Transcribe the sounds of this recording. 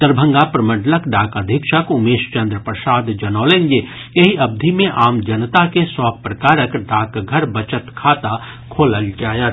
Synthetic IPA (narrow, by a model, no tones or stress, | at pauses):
t̪əɾbʱə̃ŋɡapɾəmə̃ɖləkɖaːkəd̪ʱikʃəkʊmeːʃt͡ʃə̃nd̪ɾəpɾəsaːd̪d͡ʒɐnɔːlẽnd͡ʒe | eɦiɐb̚d̪ʱimẽʔaːmd͡ʒɐnt̪akeswaːpɾəkaːɾəkɖaːkɡʱəɾbət͡ʃət̪kʰaːt̪a | kʰoːləld͡ʒaːjət̪